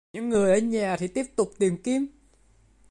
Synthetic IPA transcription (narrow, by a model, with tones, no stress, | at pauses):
ɲɨ̰˧˥ŋːɨ˨˩əjʔə˧˦ɲaː˨˩t̪ʰi˨˩t̪i˦˥əp̚t̪ʊ˨˩k͡p̚t̪i˨˩əmki˧əm